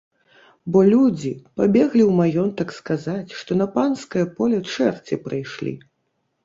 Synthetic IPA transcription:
bɔlʲud͡zʲipabʲɛɣlʲiwmajɔnt̪ɐkskazat͡sʲʂt̪ɔnɐpanskɐjɐpɔlʲɛt͡ʂɛrt͡sʲɛpɾajʂlʲḭ

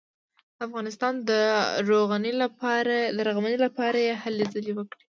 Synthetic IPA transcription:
afɣɑnɪst̪ɑnd̪əɾoɣanɾd̪əɾaɣamanelapɑɾajehalezalewəkɽi̥

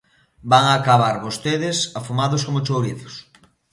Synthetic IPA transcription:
baŋaːkaβaɾβost̪eðɪsafumaðʊskomʊt͡ʃowɾiθʊ̥s

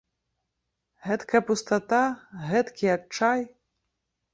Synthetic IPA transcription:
ɣɛt̪kɐjɐpust̪at̪aɣɛt̪kʲijak̚t͡ʂaj

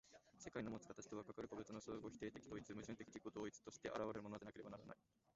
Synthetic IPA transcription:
se̞kaino̞mot͡sɨ̥kat̪aɕi̥t̪oβakakaɾɯ̟kobet͡sɨnosoːɡo̞çʲi̥t̪e̞ːt̪e̞kʲi̥d̪o̞ːit͡sɨmɯ̟ʑiɯ̃nt̪ekʲi̥t̪ekiod̪o̞ːit͡sɨ̥t̪o̞ɕi̥t̪e̞ʔa̰ɾaβaɾe̞ɾɯmo̞nod̪nake̞ɾe̞banaɾa̰na̰i

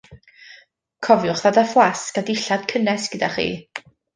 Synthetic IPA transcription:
kʰɔvjʊχðadafwaskadɪɬad̥̚kʰənɛsɡ̥ədaχḭː

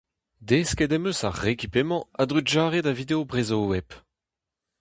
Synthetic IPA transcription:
d̪eskedɛmøsaʁekipemɑ̃ad̪ʁyʒaːʁedavid̪eobʁezoːwɛp

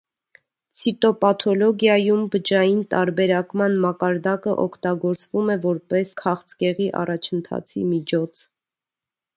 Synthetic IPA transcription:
t͡sʰit̪ɔpɑt̪ʰɔlɔɡjɑjumbət͡ʃɑjint̪ɑɾbɛɾɑkmɑnmɑkɑɾd̪ɑkəʔɔkʰt̪ɑɡɔɾt͡svumɛvɔɾpɛskʰɑχt͡sʰkɛʁiʔɑ̰rɑt͡ʃʰənt̪ʰɑ̰t͡sʰḭmit͡ʃʰɔt͡sʰ

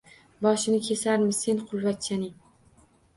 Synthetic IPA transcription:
bɒʃɪnɪkʲʰe̞saɾmɪse̞nqʰʊlˠvat̪̚t͡ʃʰanɪŋ

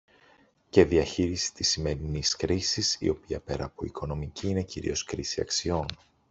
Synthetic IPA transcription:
ce̞ðiɐçiɾisi̥t̪isime̞ɾiniskɾisisḭo̞piɐ̰pe̞̰ɾɐ̰poiko̞no̞miciine̞ciɾḭo̞skɾisiɐ̰ksio̞n

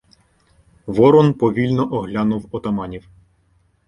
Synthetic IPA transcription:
ʋɔɾɔnpɔʋʲilʲnɔʔɔɦlʲɑnuwɔt̪ɔmɑnʲiw

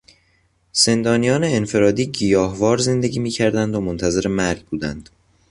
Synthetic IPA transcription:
z̥e̞nd̪ɒːnijɒːneːnfe̞ɾɒːd̪iːɟijɒːhvɒːɾze̞nd̪e̞ɡʲiːmiːcʰæɾd̪ænd̪omont̪ʰæze̞ɾe̞mæɾɡ̚buːd̪ænd̪̥

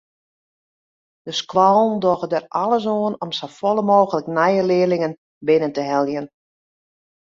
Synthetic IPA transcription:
d̥əskwɔlˠn̩doɣədəralˠəs̬oənɔmsofolˠəmoːɣələknɛjəlɪəlɪŋən | bɪnəntəɦɛlˠjən

